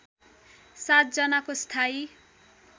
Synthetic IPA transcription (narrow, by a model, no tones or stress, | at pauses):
sat̪̚d͡zʌnakost̪ʰaj